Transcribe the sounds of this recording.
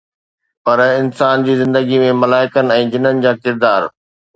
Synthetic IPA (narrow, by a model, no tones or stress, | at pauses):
pɐɾɪnsaːnd͡ʑiːzɪ̃nd̪əɡimẽmɐlaːɪkənɪ̆ɛ̃ːd͡ʑɪnənɪ̆d͡ʑaːkɪɾd̪aːɾ